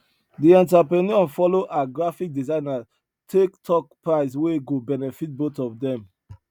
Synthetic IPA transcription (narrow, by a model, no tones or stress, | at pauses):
diɛ̃ntapɹɛniɔ̃nfɔloʔaɡɹafik̚dizãɪ̃na | tʰektʰɔk̚pɹaɪsweɡobɛnɛfit̚botɔfdɛ̃m